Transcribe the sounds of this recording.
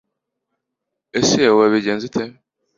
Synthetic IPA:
esiawaβiɟeːnzitʰe

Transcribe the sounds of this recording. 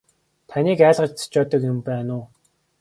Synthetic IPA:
t̪ʰaniːkæːɮʁə̆t͡ɕt͡sʰḁt͡ɕɔːt̪ə̆kjʊmpæːnʊː

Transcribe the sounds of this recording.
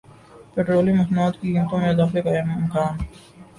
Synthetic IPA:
peːʈɾoːlimɐsnuːd̪kiɡɪmt̪õmẽd̪axlekaɪmɪmkaːn

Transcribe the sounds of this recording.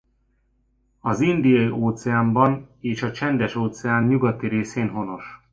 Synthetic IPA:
ɒzind̪ijɒjiʔoːt̪sɛaːmbɒneːʃɒt͡ʃɛnd̪ɛʃoːt̪sɛaːnɲuɡɒt̪iɾeːseːnɦo̞no̞ʃ

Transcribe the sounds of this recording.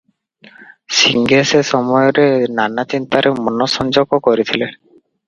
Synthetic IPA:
siŋɡesesɔmɔjoɾenanat͡ɕint̪aɾʔemɔnosɔnd͡ʑokokoɾet̪ʰilen

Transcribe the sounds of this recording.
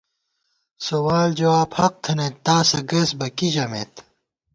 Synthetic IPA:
sowaːld͡ʑɐwaːbhɐq̚t̪ʰɐnet̪ːaːsɐɡɐsbɐkiʑɐmḛt̪

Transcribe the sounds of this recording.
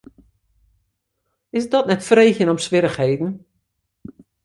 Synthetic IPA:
ɪsdɔtnɛtfrejxjənɔmsʋɪɾəxheːdn̩

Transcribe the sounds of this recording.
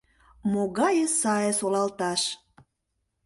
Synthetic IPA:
moɣɑjəsɑjesolɑlt̪ɑʃ

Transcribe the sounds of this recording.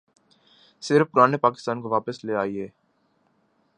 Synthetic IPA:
sɪɾfpʊɾaːnepaːkɪ̥st̪ãːnkoʋaːpəsleaːiɦɛː

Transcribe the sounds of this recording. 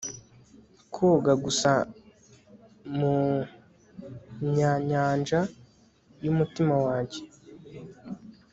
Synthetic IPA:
kʰoɡaɡusa | mu | ɲaɲaːnd͡ʒa | jumutimawaːɲɟe̞

